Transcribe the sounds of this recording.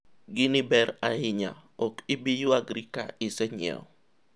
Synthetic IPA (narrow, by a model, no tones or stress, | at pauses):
ɡɪnɪbɛɾaɪɲa̰ɔkɪbijuaɡɾika̰ɪsɛɲɪɛ̰ɔ